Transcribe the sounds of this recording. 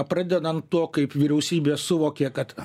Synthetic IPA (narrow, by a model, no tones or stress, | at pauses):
pɾɑd̪ʲɛd̪ɐnt̪t̪uɔkɐɪpʋʲiɾʲɛʊsʲiːbʲeːsʊʋoːkʲeːkɐt̪